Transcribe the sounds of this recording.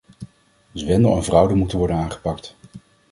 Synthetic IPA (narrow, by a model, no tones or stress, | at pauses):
zʋɛndəlˠənvrʌwdəmutənʋɔɹdənaːnχə̥pɑkt